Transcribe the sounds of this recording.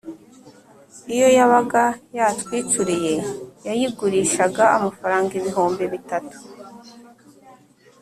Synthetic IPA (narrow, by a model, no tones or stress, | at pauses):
ijo̞jaβaɡajatwiːt͡ʃuɾije̞jajiɡuɾiːʃaɡaamafaɾaːŋɡiβiɦoːmbiβitatu̥